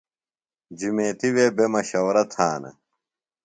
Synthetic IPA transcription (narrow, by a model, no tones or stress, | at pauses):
d͡ʑumeːt̪iweːbemɐɕɐwɾɐt̪ʰaːnɐ̰